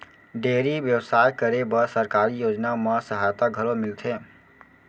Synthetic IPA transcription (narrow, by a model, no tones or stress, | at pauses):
ɖeːɾiʋjəwsaːjkəɾebəsəɾkaːɾijoːd͡ʒnaməsəɦaːjt̪aɡʱəɾõmɪlt̪ʰẽː